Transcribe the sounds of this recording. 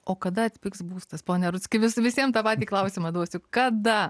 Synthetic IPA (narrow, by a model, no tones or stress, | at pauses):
oːkɐd̪ɐɐt̪ʲpʲɪksbuːst̪ɐspoːnʲɛɾʊtt͡ssʲkʲɪʋʲɪsʋʲɪsʲiɛmt̪ɑpɑːt̪ʲiːklˠɐʊsʲimɐd̪uɔsʲʊkɐd̪ɐ